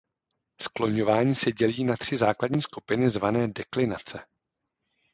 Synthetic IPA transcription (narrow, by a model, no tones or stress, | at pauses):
sklo̞ɲo̞vaːɲiːsɛɟɛliːnat̪r̝̥ɪzaːkladɲiːskupɪnɪzvanɛːdɛklɪnat͡sɛ